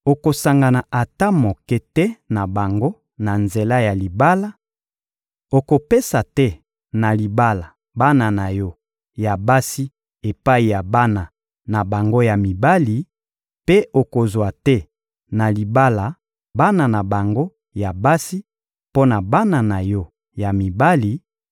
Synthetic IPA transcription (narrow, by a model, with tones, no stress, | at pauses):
o˨ko˨sa˨ŋɡa˨na˨ʔa˨ta˦mo˨kɛ˦tɛ˦na˨ba˨ŋɡo˦ | na˨nze˨la˦ja˨li˨ba˦la˦ | o˨ko˨pe˦sa˨tɛ˦ | na˨li˨ba˦la˨ | ba˦na˨na˨jɔ˦ | ja˨ba˦si˦ | e˨pa˦i˨ja˨ba˦na˨ | na˨ba˨ŋɡo˦ja˨mi˨ba˦li˨ | pe˦o˨ko˨zwa˨tɛ˦ | na˨li˨ba˦la˨ | ba˦na˨na˨ba˨ŋɡo˦ | ja˨ba˦si˦ | po˦na˨ba˦na˨na˨jɔ˦ | ja˨mi˨ba˦li˨